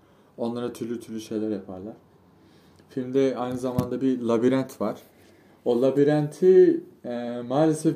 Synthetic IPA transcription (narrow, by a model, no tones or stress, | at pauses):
o̞nlˠaɾat̪ʰyɾlʲyt̪ʰyɾlʲyʃe̞jlʲæɾjapʰaɾlˠaɾ̥ | filʲmd̪ɛajnɯzamand̪abilˠabiɾænt̪ʰvaɾ̥ | o̞lˠabiɾænt̪ʰiɛmaːlʲesɛf